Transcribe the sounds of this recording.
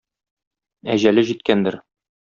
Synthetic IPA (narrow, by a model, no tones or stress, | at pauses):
æʑælɘʑit̪̚kænd̪ɘɾ